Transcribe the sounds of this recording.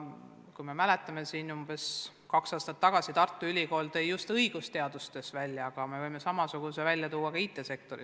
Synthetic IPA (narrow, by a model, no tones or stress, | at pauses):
kujme̞mæle̞t̪ːˑɑme̞siːnumbe̞s | kɑksɑːst̪ɑt̪ːɑɡ̥ɑsit̪ɑrt̪ːˑuylʲiko̞ːlt̪ɤjjust̪ɤiɡ̥ust̪e̞ɑd̪ust̪e̞svælʲjɑɑɡ̥ɑme̞vɤjme̞sɑmɑsuɡ̥use̞vælʲjɑt̪uːwːɑkɑiːt̪ːˑe̞se̞k̚t̪o̞ɾḭ